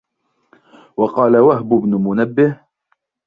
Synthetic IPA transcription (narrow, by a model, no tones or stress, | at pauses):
wɑqɑːlawaɦbʊbnʊmʊnabːɪh